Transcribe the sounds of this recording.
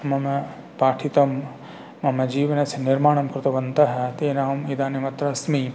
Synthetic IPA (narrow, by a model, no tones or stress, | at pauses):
mɐmɐ | paːʈʰit̪ɐmː | ɐmɐd͡ʒiːʋɐnɐsiniɾmaːɳ̃ɐmkɾɪt̪ɐʋɐnt̪ɐɦɐt̪eːnaːmid̪aːnimɐt̪ɾɐsmi